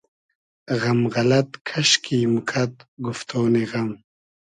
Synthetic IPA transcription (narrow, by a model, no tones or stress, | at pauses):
ɣɐmɣɐlɐt̪kʰɐɕkʰimukʰɐt̪̚ɡuft̪ʰoːniɣɐm